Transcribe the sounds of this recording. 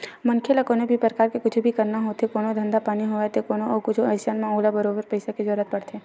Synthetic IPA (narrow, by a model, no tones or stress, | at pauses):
mɐŋkʰelakoːnobʱipɾkaːɾkekʊt͡ʃʰbʱikɐɾnaɦoːt̪ekoːnod̪ʱə̃nd̪apaːniɦoːet̪ekoːnoɔːɾkʊt͡ʃʰoɛːsanmẽoːlabəɾoːbəɾpəɪsaked͡ʒɔːɾət̪̚pɐɽt̪ʰeː